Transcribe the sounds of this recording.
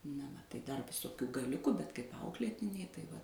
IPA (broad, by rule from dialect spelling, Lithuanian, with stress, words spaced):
nɐ ʋɐ tɐɪ ˈdɐr ʋʲɪˈsoːkʲuː ɡɐˈlʲʊkʊ bʲɛt kɐɪp ˈɐʊklʲeːtʲɪnʲɛɪ tɐɪ ˈʋɐ